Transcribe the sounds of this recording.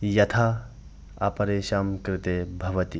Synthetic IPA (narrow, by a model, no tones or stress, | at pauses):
jɐt̪ʰa | ɐpɐɾesɐmkɾɪt̪ebʱɐʋɐt̪i